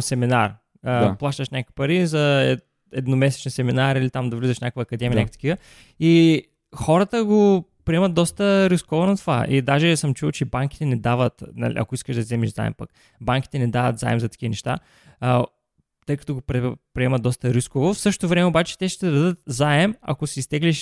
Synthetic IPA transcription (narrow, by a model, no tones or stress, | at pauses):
sɛminaɾ | aplˠaʃt̪əʃnʲakəki̥pɐɾizɐɛ | ɛd̪nʊmɛsɛ̥t͡ʃɛnsɛminaɾilit̪amd̪ɐvlizəʃnʲakəkvɐːkɐd̪ɛmʲijnakft̪əkʲivə | i | xɔɾət̪əɡopɾiɛmət̪̚d̪ɔst̪əɾiskovonɐt̪ova̰ʔid̪aʒɛsəmt͡ʃuvˠt͡ʃɛbaŋk̟ʲi̥t̪ɛnɛd̪avət̪nɐ̰lḭʔɐ̰koiskəʃd̪ɐsizɛmiʒza̰ɛ̰mpɐ̰k | baŋkʲi̥t̪ɛnɛd̪avət̪za̰ɛmzɐt̪ɐ̥k̟ʲivənɛʃt̪a̰ | t̪ɤjkɐt̪ɔɡopɾɛpɾiɛmɐt̪d̪ɔst̪əɾiskovofsɤʃ̬t̪ot̪ovɾɛmɛobat͡ʃɛ̥t̪ɛʃt̪ɛd̪ɐd̪ət̪̚zaɛmɐ̰kosiːst̪ɛɡliʃ